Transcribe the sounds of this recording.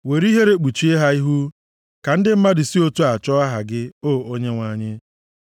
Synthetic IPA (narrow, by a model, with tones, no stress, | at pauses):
we˨ɾi˦ɦe˦ɾe˦k͡pu˨t͡ʃi˦e˦ɦa˦i˦ɦu˦ | ka˨n̩˦dɪ˦m̩˦ma˦dɪ˨si˦o˦tu˦a˨t͡ʃɔ˦a˦ɦa˨ɡɪ˦oː˦˨o˦ɲe˦ŋʷa˨ɲɪ˦